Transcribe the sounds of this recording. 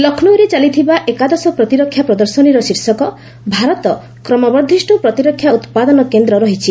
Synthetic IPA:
lɔkʰnuɾet͡ʃalit̪ʰibaʔekad̪ɔsɔpɾɔt̪iɾɔkʰːjapɾɔd̪ɔɾsɔniɾɔsiɾsɔkɔ | bʱaɾɔt̪ɔ | kɾɔmɔbɔɾd̪ʱisʈupɾɔt̪iɾɔkʰːjaut̪pad̪ɔnɔkend̪ɾɔɾɔɦit͡ʃʰi

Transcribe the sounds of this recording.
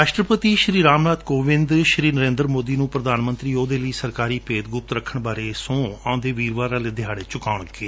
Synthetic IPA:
ɾaːʃʈɾəpət̪iːʃɾiːɾaːmnaːd̪koːʋɪ̃nd̪ʃɾiːnəɾẽːnd̪əɾmoːd̪iːnũːpɾəd̪aːnmə̃nt̪ɾiːoːd̪eːləiːsəɾkaːɾiːpeːt̪ɡʊp̚t̪ɾəkʰːəɳbaːɾeːsõːãːd̪eːʋiːɾʋaːɾaːleːd̪ɪjaːɽeːt͡ʃʊkaːʊɳkeː

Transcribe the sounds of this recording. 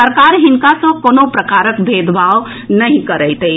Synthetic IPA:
əɾkaɾɦinkasə̃konopɾəkaɾəkbʱed̪baw | nəɦĩkəɾɛɪt̪e

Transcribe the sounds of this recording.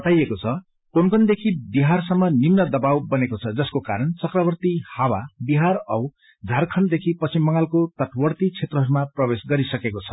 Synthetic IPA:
bʌt̪ajekot͡sʰʌ | konkʌnd̪ekʰibiɦarsʌmːʌnimnʌd̪ʌbawbʌnekot͡sʰʌd͡zʌskokaɾʌnt͡sʌkrʌβʌrt̪ihawabiɦarʌw | d͡zʱarkʰʌnd̪ekʰipʌt͡simːʌŋalkot̪ʌʈʰbʌrt̪it͡sʰet̪rʌɦʌɾumaprʌbesɡʌɾisʌkekot͡sʰʌ̥

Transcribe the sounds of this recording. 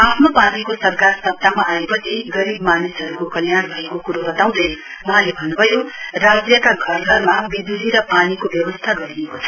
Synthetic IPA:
apʰnopanikosʌrkarsʌb̚t̪amaʔːepʌt͡sʰiɡʌɾibmanisɦʌɾukokʌljaɽbʱʌekokuɾobʌt̪aw̃d̪ʌjwʌɦãlebʱʌnːubʱʌjorad͡zjʌkaɡʱʌrɦʌrmabid̪ud̪ʱiɾʌpanikobjʌbʌst̪ʰaɡʌɾiekot͡sʰʌ̥

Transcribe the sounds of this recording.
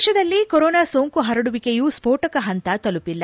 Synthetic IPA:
ʃɐd̪ɐlːikoɾoːnaːsoŋkuɦɐɾɐɽuʋikejuspoːʈɐkɐɦɐnt̪ɐt̪ɐlupilːɐ

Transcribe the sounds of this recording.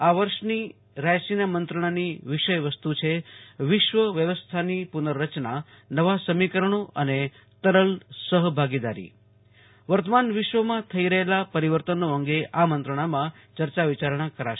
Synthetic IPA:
aʋəɾʃni | ɾajsinamənt̪ɾəɳ̃aniʋɪʃəjʋəst̪ut͡ʃʰeʋɪʃʋəʋjəʋəst̪ʰanipunəɾːət͡ʃna | nəʋasəmikəɾəɳ̃oʔəne | t̪əɾəlsəɦbʱaɡid̪a̰ɾḭ | ʋəɾt̪əmanʋɪʃʋəmãt̪ʰəiɾəɦelapəɾiʋəɾt̪ənoəŋɡeʔamənt̪ɾəɳ̃amã | t͡ʃəɾt͡ʃaʋit͡ʃaɾɳ̃akəɾaʃ

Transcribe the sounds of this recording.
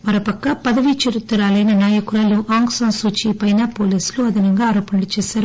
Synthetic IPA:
mɐɾopɐkːɐpɐðɐʋit͡ʃeɾut̪ːuɾaːlɐjnɐnaːjɐkuɾaːluʔaːŋɡsaːnsuːt͡ʃipɐjnaːpoːliːsluɐd̪ɐnɐŋɡaaːɾɔːpɐnɐlut͡ʃɛːsaːɾu

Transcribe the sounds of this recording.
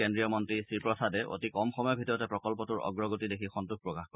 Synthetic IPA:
kendɹijɔmɔntɹisiɹpɹɔsadɛʔo̰tikɔmxɔmɔjɔbʱitɔɹɔtɛpɹɔkɔlpɔtuɹɔ̰ɡɹɔɡotidekʰixɔntuk̚pɹɔkaxkɔ

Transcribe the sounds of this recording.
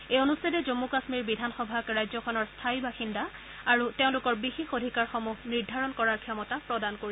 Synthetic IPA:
ejonustʰadɛzomːukasmiɹbidʱanxɔbʱakɹajzɔkʰɔnɔɹstʰaibaxinda | aɹuteʊ̃lʊkɔɹbixexodʱikaɹxɔmuxniɹdʱaɹɔnkɔɹaɹkʰiɔmɔtapɹɔdankoɹi

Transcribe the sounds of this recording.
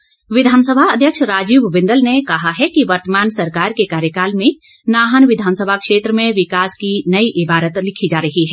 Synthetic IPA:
ʋɪd̪ʱaːnsəbʱaɐd̪ʱjəkʃɾaːd͡ʒiːʋʋɪ̃nd̪əlnekɐɦaɦɛkiʋɐɾt̪əmaːnsɐɾkaːɾkekaːɾjəkaːlmẽ | naːɦənʋɪd̪ʱaːnsəbʱakʃeːt̪ɾəmẽʋɪkaːskinɐiʔɪbaːɾət̪lɪkʰid͡ʒaːɾɐɦiɦɛː

